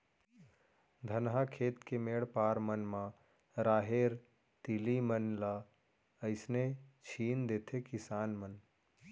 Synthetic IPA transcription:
d̪ʱənɦakʰeːt̪kemeɽpaːɾmənmã | ɾaːɦeɾ | t̪ilimənla | əɪsnet͡ʃʰiːnd̪eːt̪ʰekɪsaːnmən

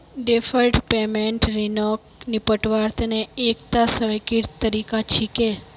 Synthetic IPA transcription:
ɖefʰəlʈpemeɳʈɾinɔknipəʈʋaɾt̪əneek̚t̪asəjkiɾt̪t̪ːəɾikat͡ʃʰike

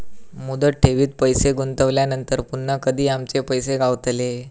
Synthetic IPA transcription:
mud̪əʈ̚ʈʰːeʋiːt̪̚pəjseɡunt̪əʋljanənt̪əɾpunːəkəd̪ʱiːamt͡ɕepəjseɡaʋt̪le

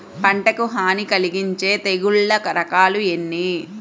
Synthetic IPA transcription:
pɐɳʈɐkuɦaːnikɐliɡiɲt͡ʃe̞ːt̪eɡuɭːɐkɐɾɐkaːluenːi

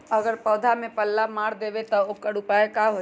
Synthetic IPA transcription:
əɡəɾpɔːd̪ʱamẽpəlːamaːɾd̪eːʋet̪ɔokəɽupaːekaɦo

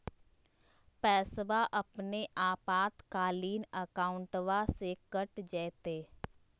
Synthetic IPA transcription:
pɛːsʋaʔəpneʔaːpaːt̪kaːliːnəkaːʊ̃ɳʈʋasekəʈd͡ʒɛːt̪eː

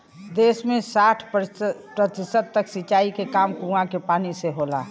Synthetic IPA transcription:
d̪esmẽsaʈʰpɾət̪isəd̪̚t̪əksit͡ʃaikekamkũãkepaniseɦola̰

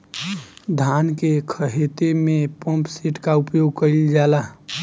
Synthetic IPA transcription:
d̪ʱankekʰəɦet̪emepə̃mpseʈkaupjoɡ̚kəld͡ʒala

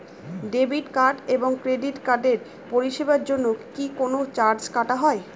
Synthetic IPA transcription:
ɖebiʈkaɾɖeboŋkɾeɖiʈkaɾɖeɾ | poɾiʃebaɾd͡ʑonːokikonot͡ɕaɾd͡ʑkaʈaɦɔe

